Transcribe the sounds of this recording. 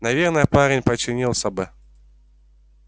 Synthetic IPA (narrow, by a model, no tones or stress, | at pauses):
nɐvʲernəjəpaɾʲɪnʲpət͡ɕːɪnʲilˠsʲɐbɨ